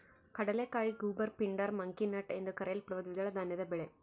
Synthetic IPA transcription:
kɐɽɐlekːaːjɡuːbɐɾpɪɳɖɐɾmɐŋkinɐʈɐɪnd̪ɯkɐɾɐjɐlpɪɾɐʋɐd̪ʋɪðɐɭɐd̪aːnɐðɐbɛɭe

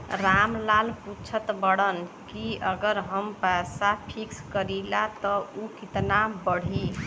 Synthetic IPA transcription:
ɾamlalput͡ʃʰət̪bəɽən | kiəɡəɾɦəmpɛsapʰikskəɾilat̪əukit̪nabəɽ̤i

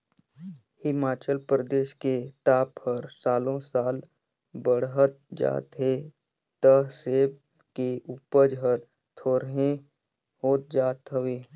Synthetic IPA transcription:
hɪmaːt͡ʃəlpɾəd̪eːʃket̪aːphəɾsaːlõsaːl | bəɽɦət̪̚d͡ʒa̰ːt̪ɦe | t̪əɦseːb | keuːpəd͡ʒɦəɾ | t̪ʰoːɾɦẽ | hoːt̪̚d͡ʒaːt̪ɦəʋeː

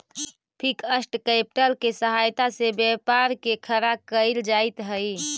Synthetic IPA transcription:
pʰikəsʈkepʈəlkesəɦajt̪asebjəpaɾkekʰəɾakəɪld͡ʒaɪt̪ɦəj

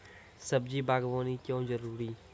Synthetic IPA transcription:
səbd͡ʒiːbaːɡʋõːnikjõːzəɾuːɾiː

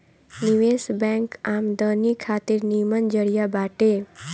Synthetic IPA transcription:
niʋesbɛ̃ŋkamd̪ənikʰat̪iɾnimənd͡ʒəɽijabaʈe

